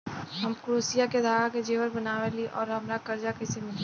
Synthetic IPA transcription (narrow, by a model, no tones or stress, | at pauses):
ɦɐmkɾuːsijaked̪aːʋaked͡ʒeːʋəɾbɐnaːʋeliʔɔ̰ːɾɦɐmɾakɐɾd͡ʒakɛːsemɪle